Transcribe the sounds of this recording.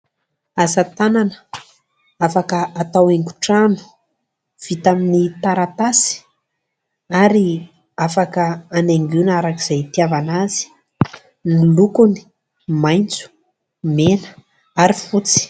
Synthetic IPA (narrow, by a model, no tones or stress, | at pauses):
azat̪ananə̥ | afakəat̪aweŋku̥ʈ͡ʂanu̥ | v̥it̪aminit̪aɾat̪asi̥ | aɾi | afakəːneŋɡunaɾakiz̥ajt̪iavanazi̥ | nilukuni̥ | majnt͡su̥ | menə̥ | aɾifut͡si̥